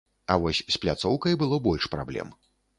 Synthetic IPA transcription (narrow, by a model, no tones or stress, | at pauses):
ɐvɔsʲsplʲat̪sɔwkɐjbɨlˠɔbɔlʲʂpɾablʲɛ̰m